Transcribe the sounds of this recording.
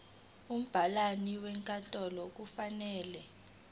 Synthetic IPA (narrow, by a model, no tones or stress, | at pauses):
um̩b̥ʱalaniwɛŋkʼantʼɔlɔk̬ufanɛːlɛ